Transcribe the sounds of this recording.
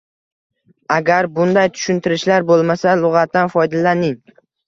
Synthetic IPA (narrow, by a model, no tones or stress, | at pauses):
aɡʲaɾbʊnd̪ajt̪ʰʊ̥ʃʊnt̪ʰɪɾɪʃlaɾbolˠmasalˠʊʁɑt̪̚ːanfɒjd̪alanɪŋ